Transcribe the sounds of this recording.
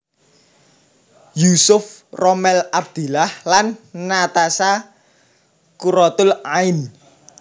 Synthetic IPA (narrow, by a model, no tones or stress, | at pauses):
jusʊfrɔmɛlab̚d̪̥ṳlahlanːat̪asa | kuɾɔt̪ʊlaɪn